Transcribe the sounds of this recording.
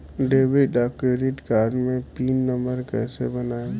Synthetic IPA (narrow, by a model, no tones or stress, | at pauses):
ɖeːʋɪɖakɾeɖɪʈkaːɾɖmẽpiːnːə̃mbəɾkɛːsḛbɐnaːe